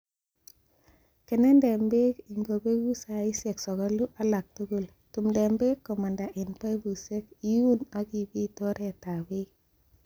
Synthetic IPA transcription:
ke˨nɛ˦nde˨mbe˦ki˨ŋɡo˨be˦ɡu˦sa˨i˦se˨ksɔ˨ɡɔ˦lu˦ʔa˦la˨k̚tu˦ɡu˦˨l | tu˨mde˨mbe˦kːo˨ma˨nda˨ʔi˨npa˦jbu˨se˦ki˦ju˦na˦ki˨bi˦tɔ˦ɾe˨ta˨be˦

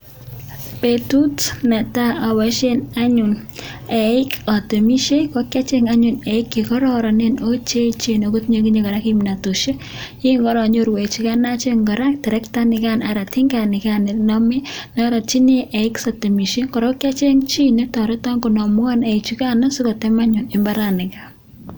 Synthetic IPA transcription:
petutnɛ˨ta˦abɔ˨ʃenaɲʊnɛ˨ɪkɔ˨te˨mi˦ʃe˦kɔkja˦t͡ʃe˦ŋaɲʊnɛɪkːikɔ˦ɾɔ˦ɾɔ˨nenot͡ʃe˦t͡ʃenoɡo˦t̚ɲekiɲekɔ˨ɾakimnatu˨ʃe˦ | ɪ˦ŋɡɔ˦ɾɔ˨ɲo˦ɾwe˨t͡ʃi˨kana˦t͡ʃeŋɡɔ˨ɾa˦ktɛ˨ɾɛ˦ktanɪ˨kanaɾa˨tɪ˦ŋɡanɪ˨kanɪnɔmɛ˦na˦ɾa˨t͡ʃi˦ne˦ʔɛ˨ɪksɔte˨mi˨ʃe˦kɔ˨ɾo˦kja˦t͡ʃe˦ŋt͡ʃi˦ne˦tɔ˨ɾe˦tɔ˦ŋko˨nɔ˨m˦a˦nɛ˨ɪt͡ʃi˦ka˦nɔ˦si˦kɔ˨tɛma˦ɲʊ˨nɪmbaɾanɪ˨ka

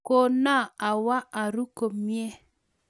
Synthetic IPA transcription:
ko˦˨na˦a˨wa˦ʔa˨ɾu˦ko˨mjɛ˦

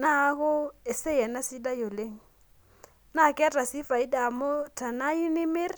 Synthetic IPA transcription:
na˦hʊ˦ɛ˨sɛ˦ja˨na˦si˦da˦jo˨le˦ŋ̩˨ | na˦˨kɪ˦a˦ta˨si˦fa˨i˦da˨mʊ˦ta˨na˦i˦nɪ˦mɪ˦r

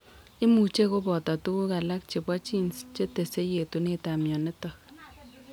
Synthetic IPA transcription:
ɪ˦mu˨t͡ʃe˦ko˦bɔ˨tɔ˨tu˦ku˦ka˨la˦k̚t͡ʃe˨bɔ˦t͡ʃi˦nst͡ʃe˦te˨se˦je˨tu˨ne˦ta˨mjɔ˨ne˦tɔ˨

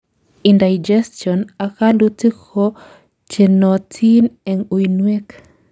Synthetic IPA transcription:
indajd͡ʒɛstjɔna˨ka˦lʊ˦ti˦kʰo | t͡ʃe˨nɔ˨tʰi˦nɛ˨ŋu˨jnwe˦k

